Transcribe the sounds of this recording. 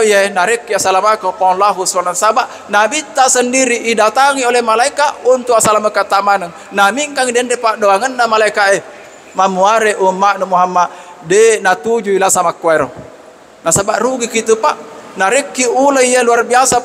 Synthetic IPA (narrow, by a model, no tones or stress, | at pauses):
ijanaɾɛkːiasalamakakɔnlaɦusɔnasabaʔ | nabit̪ːasəndiɾiʔːdat̪aŋiolɛhmalaikaʔunt̪uʔasalamakat̪amanəŋ | namiŋkaŋidɛndɛpaʔdoaŋənːamalaikaʔe | mamuaɾeʔumːaʔnəmuɦamːaʔ | denat̪ud͡ʒuilasamakːuaɾɔ | nasabaʔruɡikit̪upaʔnaɾɛkːiulaijaluarbiasa